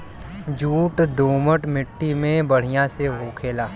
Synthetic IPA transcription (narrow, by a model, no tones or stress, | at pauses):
d͡ʒuːʈd̪oːməʈmɪʈːimẽbɐɽ̤ijãseɦoːkʰeːlaː